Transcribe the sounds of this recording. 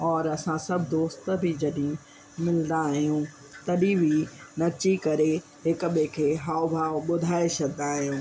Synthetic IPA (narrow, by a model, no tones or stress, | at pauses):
ɔːɾɐsãsɐbʱɪd̪oːst̪bʱɪd͡ʑɐɗ̃ | mɪlnd̪aːɦijũ | t̪ɐɗĩbʱinɐt͡ɕikɐɾe | ɦɪkɓẽkʰeːɦaːobʱaːɓʊd̪ʱaːesɐɡnaːɦijũː